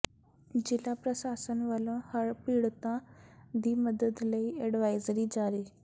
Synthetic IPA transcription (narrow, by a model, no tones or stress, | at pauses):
d͡ʑɪlapɾəsaːsənʋələ̃həɾpiːɽt̪ãd̪iːməd̪əd̪ləieɖʋaːjzɾid͡ʑaːɾiː